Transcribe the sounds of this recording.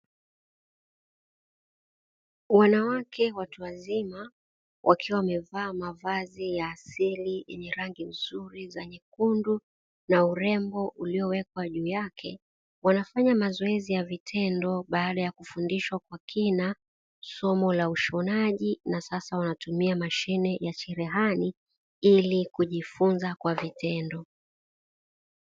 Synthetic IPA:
wanawakʰɛwatuwazima | wʔakʰiwawamɛvaːmavazijaːsilijɛɲɛɾaŋɡiuzuɾizɛɲɛkundu | nauɾɛmbɔʔuliɔwɛkwaʄuːjakʰɛ | wanafaɲamazɔɛzijavitʰɛndɔɓaːɗajakufundiʃwakwakʰina | sɔmɔlauʃɔnaʄinasasawanatumiamaʃinɛjat͡ʃɛɾɛɦani | ilikuʄifunzakwavitʰɛndɔ

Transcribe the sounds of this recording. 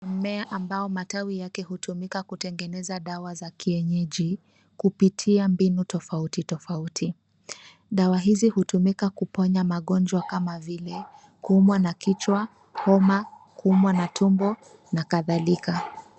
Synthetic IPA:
amɛaʔambaɔmatawijakɛhutʰumikakutɛŋɡɛnɛzaɗawazakiɛɲɛʄi | kupitʰiambinutɔfautitɔfautʰi | ɗawaɦizihutumikakupɔɲamaɠɔnd͡ʒwakamavilɛ | kuumwanakit͡ʃwa | hɔma | kuumwanatʰumbɔ | nakaðalika

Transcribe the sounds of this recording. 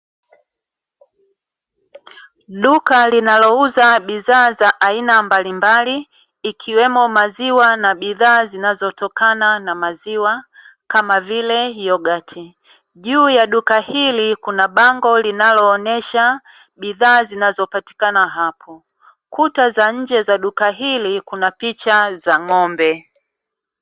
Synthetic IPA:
ɗukalinalɔuzaɓiðaːzaʔainambalimbaliː | kʰiwɛmɔmaziwanaɓiðaːzinazɔtɔkananamaziwa | kamavilɛjɔɡatʰi | ʄuːjaɗukahilikunaɓaŋɡɔlinalɔːnɛʃa | ɓiðaːzinazɔpati̥kanaɦapʰɔ | kutazaɲ̩d͡ʒɛzaɗukaɦilikunapit͡ʃazaŋɔmbɛ

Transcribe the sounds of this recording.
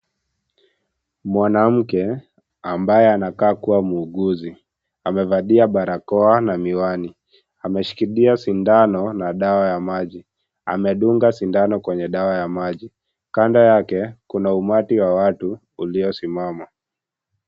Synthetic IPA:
mwanam̩kɛ | ambajɛanakaːkuwamuːɠuzi | amɛvaɗiaɓaɾakɔanamiwani | amɛʃi̥kiɗiasindanɔnaɗawajamaʄi | a̰mɛɗuŋɡasindanɔkwɛɲɛɗawajamaʄi | kandajakɛkunaumatiwawatuː | liɔsimama

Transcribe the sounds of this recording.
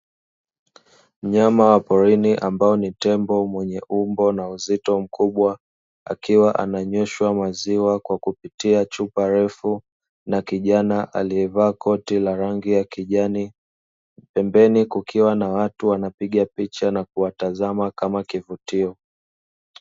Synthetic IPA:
m̩ɲamawapɔɾiniʔambaɔnitɛmbɔmwɛɲɛʔumbɔnauzitɔm̩kuɓwa | a̰kiwaʔa̰naɲɛʃwamaziwakwakupitiat͡ʃupaɾɛfu | nakiʄanaʔa̰liɛvaːkʰɔtilaɾaŋɡijakiʄani | pɛmbɛnikukʰiwanawatuwanapiɠapit͡ʃanakuwatazamakamakivutiɔ

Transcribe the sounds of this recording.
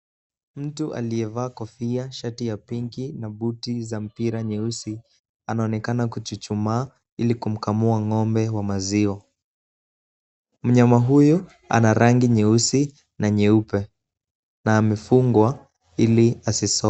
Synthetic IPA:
m̩tuʔa̰lijɛvaːkɔfiaʃatijapiŋɡinabutizam̩piɾaɲɛusi | anaɔnɛkanakut͡ʃut͡ʃumaː | ilikum̩kamuaŋɔmbɛwamaziɔ | m̩ɲamaɦuju | a̰naɾaŋɡiɲɛusi | naɲɛupɛ | naːmɛfuŋɡwa | iliasisɔ

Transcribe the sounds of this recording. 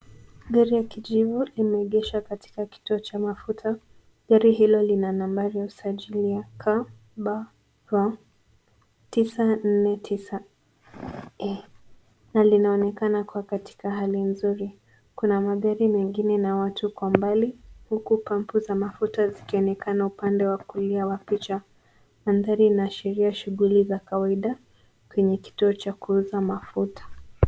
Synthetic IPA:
ɠaɾijakid͡ʒivuimɛɛɠɛʃwakati̥kaki̥tuɔt͡ʃamafutʰa | ʄaɾiɦilɔlinanambaɾijausaʄiliakʰa | ɓa | va | tisan̩nɛtʰisa | ɛ | nalinaɔnɛkanakuakati̥kaɦalinzuɾi | kunamaɠaɾimɛŋɡinɛnawatʰukwambalihukupam̩puzamafutazikiɔnɛkanaupandɛwakuliawapit͡ʃa | manðaɾinaʃiɾiaʃuɣulizakawaiɗa | kwɛɲɛki̥tuɔt͡ʃakuzamafutḁ

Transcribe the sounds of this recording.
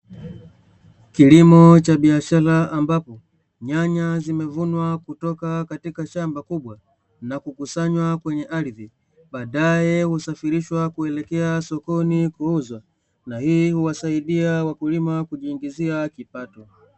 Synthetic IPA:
kilimɔt͡ʃaɓiaʃaɾaambapɔ | ɲaɲazimɛvunwakutɔkakatikaʃambakuɓwa | nakukusaɲwakwɛɲɛʔaɾiði | ɓaːɗajɛhusafiɾiʃwakuɛlɛkɛasɔkɔnikuuzwa | nahiːhuwasaiɗiawakulimakuʄiːŋɡiziakipatɔ

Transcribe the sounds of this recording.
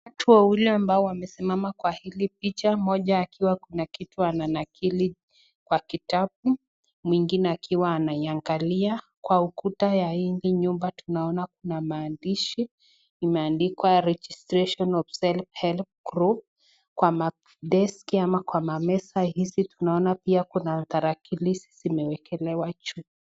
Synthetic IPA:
watʰuɔwilɛambaɔwamɛsimamakwahilip̚it͡ʃamɔʄaːkiwakunakituananakʰili | kwakitapu | mwiŋɡinɛakʰiwaːnaiaŋɡalia | kwaukutajaiŋɡiɲumbatunaɔnakunamaːndiʃi | imɛandikwaɾɛd͡ʒistɾeʃɔnɔfsɛlphɛlp̚ɡɾup̚ | kwama | dɛskiamakwamamɛsahisitunaɔnapiakunaðaɾakilisi̥zimɛwɛkɛlɛwat͡ʃuk

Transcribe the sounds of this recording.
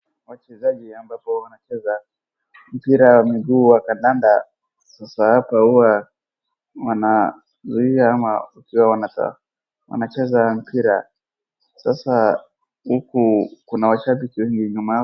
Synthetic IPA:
wat͡ʃɛzaʄiambapɔwanat͡ʃɛza | m̩piɾawamiɡuːwakandanda | sasahapahuwa | wana | zuiaamaakiwawanata̰ | wa̰nat͡ʃɛzam̩piɾa | sasa | hukukunawaʃaɓikiwɛŋɡiɲuma

